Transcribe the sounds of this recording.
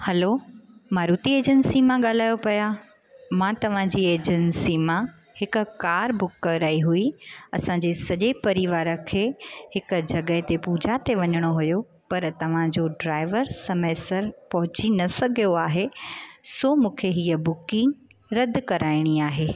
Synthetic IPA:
hɐlomaːɾuːt̪ieːd͡ʑənsimãɠaːl̤aːjopɐja | mãt̪ɐʋ̤ãd͡ʑiːeːd͡ʑənsimã | hɪkʊ̆kaːɾbʊkːɾaiɦuiɐsãɲd͡ʑesɐʄepɐɾɪʋaːɾə̆kʰeːhɪkʊ̆d͡ʑɐɠəɦt̪epuːd͡ʑʱat̪eʋɐɲəɽ̃oɦʊjo | pɐɾt̪ɐʋ̤ãd͡ʑoɖɾaːɪʋəɾsɐməːsəɾpɐɦʊt͡ɕinɐsɐɡʱijoaːɦesomũːkʰeɦiːəbʊkɪ̃ŋɡ | ɾɐd̪ʱkɐɾʔaːɪɽ̃iaːɦeː

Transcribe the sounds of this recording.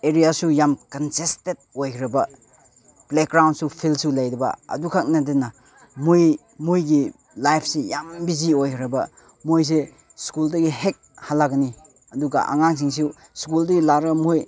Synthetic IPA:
eɾijasujamkantestet̚ojkʰiɾɐba | blek̚ɡɾawnsupʰilsulajɾiba̰ɐ̰dukʰak̚nadina | muj | mujɡi | lajpʰsejambiziojkʰiɾɐba̰ | mojs̬e | skuldɐɡihek̚halːaɡani | ɐduɡa̰ʔa̰ŋaŋs̬iŋsu | skuldɐɡilaɾamoj

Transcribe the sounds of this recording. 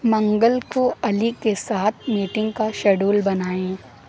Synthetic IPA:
mɐ̃ŋɡəlkoɐlikesaːt̪ʰmiːʈɪ̃ŋɡ̚kaʃɐɖuːlbɐnaːẽː

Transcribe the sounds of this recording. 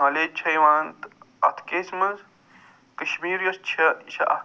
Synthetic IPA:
ɦɐlet͡ʃʰɐjʋaːnt̪ | ɐ̰t̪ʰkeːsmɐnz | kɐʃmiːɾjɐst͡ʃʰɐt͡ʃʰɐɐ̰

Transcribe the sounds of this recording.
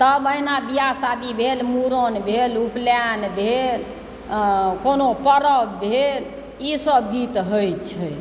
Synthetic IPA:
t̪əbəjnabijasad̪ibʱelmuɾənbʱelupljanbʱel | konopəɾəbbʱel | isəbɡit̪ɦəjt͡ʃʰəj

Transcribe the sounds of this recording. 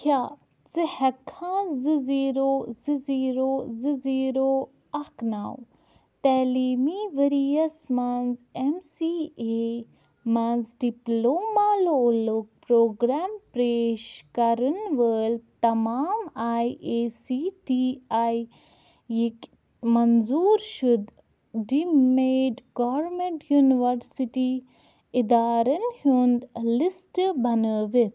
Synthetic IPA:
kʰjaː | t͡sɨhɛkʰãːzɨziːɾoːzɨziːɾoːzɨziːɾoː | ɐknaw | t̪ɛːliːmiːʋəɾijɐsmanzemsiːe | manzɖiploːmaːloːlok̚pɾoːɡɾaːmpɾeːʃkɐɾənʋəːlt̪ɐmaːmaːjesiʈiːaj | ik | mɐnzuːɾʃud̪ | ɖimeːɖɡɔʋɾmeɳʈjuːniʋəɾsiʈi | ɪd̪aːɾɐnhund̪lɪsʈbɐnəʋɪt̪

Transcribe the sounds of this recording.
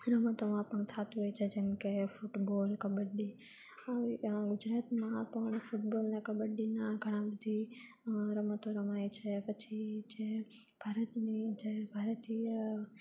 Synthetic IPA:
ɾɐmət̪omãpəɳ̃t̪ʰaːt̪uʋeit͡ʃʰed͡ʒɐnkefʊʈboːlkɐɓəɗi | ɡʊd͡ʒɾaːt̪mãpɐɳ̃fʊʈboːlnẽkɐɓəɗinaɡʱɐɽ̃ãbɐd̪ʱi | ɾɐmət̪õɾɐmaːit͡ʃʰɛpɐt͡ʃʰid͡ʒe | b̥ʱaːɾət̪nid͡ʒebʱaːɾət̪i

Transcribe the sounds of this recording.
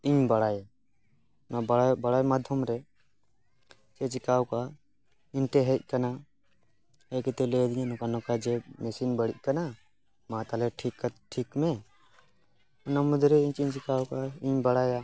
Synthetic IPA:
iɲbaɽaja | nabaabaɽajmad̪ʱjɔmɾɛ | t͡ʃɛt͡ʃikawka | iɲʈɛɦɛc̚ˀkana | ɛkɛt̪ɛlɛd̪iɲanɔkanɔkad͡ʒɛmɛsinbəɽic̚ˀkana | mãt̪alɛʈʰikːʈʰikmɛ | namud̪ɾɛiɲt͡ʃiɲt͡ʃikawkaiɲbaɽaja

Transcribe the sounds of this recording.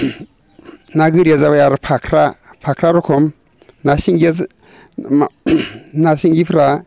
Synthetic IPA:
naɡɯɾiazaβajaɾɔpʰakʰɾapʰakʰɾaɾɔkʰɔm | nasiŋɡ | nasiŋɡipʰɾa

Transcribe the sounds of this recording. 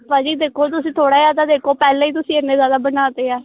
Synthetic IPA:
pãːd͡ʒiːd̪eːkʰoːt̪ʊsĩːt̪ʰoːɽaːjaːd̪aːd̪eːkʰoːpɛːlẽːiːt̪̬ʊsĩːɪnːẽːzaːd̪aːbənaːt̪eːɛː

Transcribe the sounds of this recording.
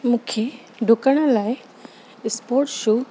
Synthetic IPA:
mũːkʰe | ɖʱʊkəɽ̃ə̆laːɪ | ɪspoːɾʈʃuː

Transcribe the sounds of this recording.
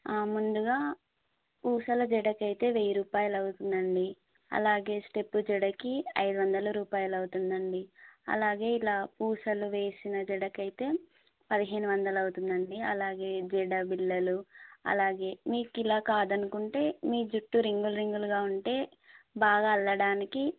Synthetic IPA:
mund̪uɡaː | puːsɐlɐd͡ʒɛɽɐkɐjt̪e̞ːʋejiɾuːpaːjɐlɐwut̪und̪ɐɳɖi | ɐ̰laːɡe̞ːsʈe̞pːud͡ʒɛɽɐkiɐjd̪uʋɐnd̪ɐlɐɾuːpaːjɐlɐwut̪und̪ɐɳɖiɐ̰laːɡe̞ːilaːpuːsɐluʋe̞ːsinɐd͡ʒɛɽɐkɐjit̪e̞ː | pɐd̪iɦeːnuʋɐnd̪ɐlɐwut̪und̪ɐɳɖiɐlaːɡe̞ːd͡ʒɛɽɐbilːɐluɐ̰laːɡe̞ːmiːkilaːkaːd̪ɐnukuɳʈe̞ːmiːd͡ʒuʈːuɾiŋɡulɾiŋɡuluɡaːuɳʈe̞ː | baːɡaːlːɐɽaːniki

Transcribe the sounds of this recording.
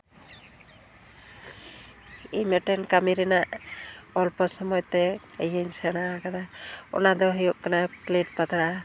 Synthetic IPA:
ijmɛʈɛnkamiɾɛnaʔɔlpɔsɔmɔjɔt̪ɛəjensɛɽ̃aːkad̪aɔ̰nad̪ɔɦijɔʔkanapleʈ̚pat̪aɽa

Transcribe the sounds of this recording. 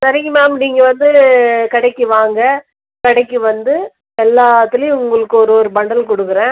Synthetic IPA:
sɐɾɪɣɐmeːɐpniːŋɡɐʋɐnd̪ɯkɐɽɐɪkːɯʋaːŋɡɐ | kɐɽɐɪkːɯʋɐnd̪ɯ | ɛlːaːt̪ːɪlj̃ʊŋɡɐɭɯkːɯɔɾɯɔɾɯbɐɳɖɐlkɔɽɯkːɯɾẽː

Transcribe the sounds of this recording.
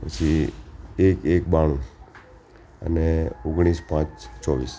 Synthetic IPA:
pət͡ʃʰi | ekekbaɽ̃ũ | ə̰neoɡɽ̃ispãt͡ʃt͡ʃɔʋḭs

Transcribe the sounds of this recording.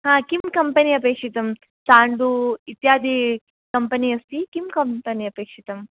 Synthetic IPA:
ɦãːkimkɐmpɐniɐpeːkʂit̪ɐm | t͡ʃaːɳɖuit̪jaːd̪ʱi | kɐmpɐniɐst̪ikimkɐmpɐniɐpeːkʂit̪ɐm

